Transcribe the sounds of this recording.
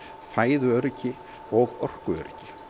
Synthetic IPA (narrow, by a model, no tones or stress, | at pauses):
faːjðʏœɾcɪ | ɔɣɔr̥kʏœ̰ɾcɪ